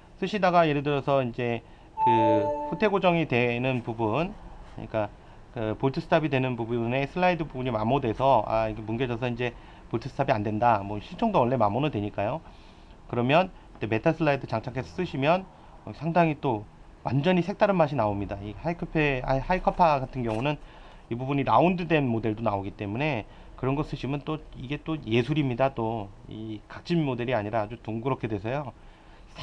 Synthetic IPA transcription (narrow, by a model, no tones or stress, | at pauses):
s͈ɯɕʰidaɡaje̞ɾɯdɯɾʌsʰʌind͡ʑe̞ | kɯɸotʰe̞ɡod͡ʑʌŋidwe̞nɯnpubunkɯ̰ɲḭk͈a | kɯpoɭtʰɯsʰɯ̥tʰabidwe̞nɯnbubune̞sʰɯɭːaidɯbubuɲimamodwe̞sʰʌa̰iɡemunɡed͡ʑʌs̬ʰʌind͡ʑe̞ | poɭtʰɯsɯ̥tʰabiandwendamwʌɕʰiɭt͡ɕʰoŋdowʌɭːe̞mamonɯndweɲik͈ajo | kɯɾʌmjʌn | kt͈e̞me̞tʰasʰɯɭːaidɯt͡ɕaŋt͡ɕʰaŋkʰe̞sʰʌ̥s͈ɯɕʰimjʌn | ʌsʰaŋdaŋit͈o | wa̰nd͡ʑʌɲisʰek̚t͈aɾɯmaɕʰinaomɲidaihaikʰɯpʰehaikʰʌpʰaɡatʰɯnɡjʌŋunɯn | ibubuɲiɾaundɯde̞nmode̞ɭdonaoɡit͈e̞mune̞ | kɯɾʌnɡʌs͈ɯɕʰimjʌnt͈oiɡe̞t͈oje̞sʰuɾimɲidat͈oḭkat͡ɕʰinmode̞ɾiaɲiɾaːd͡ʑutuŋɡɯɾʌkʰe̞dwe̞sʰʌjo | sʰ